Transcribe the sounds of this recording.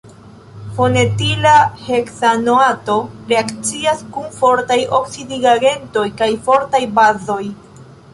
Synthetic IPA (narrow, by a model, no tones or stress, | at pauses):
fo̞ne̞tilaheksanoato̞ɾe̞akt͡siaskunfo̞ɾtajo̞ksidiɡaɡe̞nto̞jkajfo̞ɾtajbazo̞j